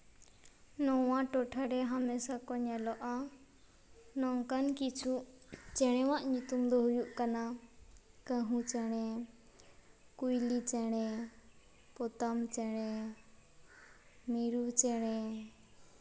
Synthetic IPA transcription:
nɔwãʈɔʈʰaɾɛɦamɛsakɔɲɛlɔʔa | nɔŋkankit͡ʃʰuʔt͡ʃɛɽ̃ɛwãʔɲut̪umd̪ɔɦujuʔkana | kəɦũt͡ʃɛɽ̃ɛ | kujlit͡ʃɛɽ̃ɛ | pɔt̪amt͡ʃɛɽ̃ɛ | miɾut͡ʃɛɽ̃ɛ

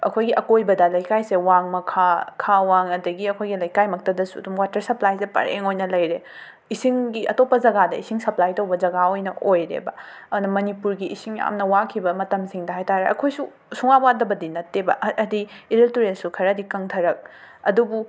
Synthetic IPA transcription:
ɐkʰojɡiʔɐkojbɐdɐlɐjkajsewaŋmɐkʰakʰawaŋɐdɐɡiɐkʰojɡilɐjkajmɐk̚tɐdɐsuɐ̰dumwatɐɾsɐplajsepɐ̰ɾḛŋojnɐlɐjɾe | isiŋɡiʔɐ̰topːɐd͡ʒɐɡadɐisiŋsɐplajtɐwbɐd͡ʒɐɡaojnɐʔojɾḛbɐ | ɐnɐmɐnipuɾɡiːsiŋja̰mnɐwakʰibɐmɐtɐmsiŋdɐɦajtaɾeʔɐ̰kʰojsu | suŋabadɐbɐdinɐtːebɐ̰ʔɐdiiɾeltuɾelsukʰɐɾɐdikɐŋtʰɐɾɐk̚ɐdubu

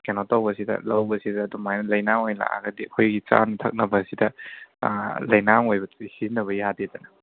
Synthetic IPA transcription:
kenotawbɐsidɐ̰lɐwbɐsidɐːdumajnɐlɐjnaŋojla̰ʔa̰ɡɐdikʰojɡit͡ʃa̰ntʰɐk̚nɐbɐsidɐ | lɐjnaŋojbɐihinɐβɐjadedɐnɐ

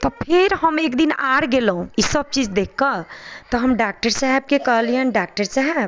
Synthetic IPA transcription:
t̪ɔpʰeɾɦəmekd̪inaɽɡelɦũisəb̚t͡ʃid͡ʒd̪ekʰːət̪ɔɦəmɖak̚ʈəɾsaɦɛb̚kekəɦliənɖaːk̚ʈəɾsaɦɛb

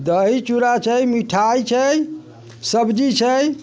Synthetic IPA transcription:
d̪əɦit͡ʃuɾat͡ʃʰəjmiʈʰajt͡ʃʰəj | səbd͡ʒit͡ʃʰəj

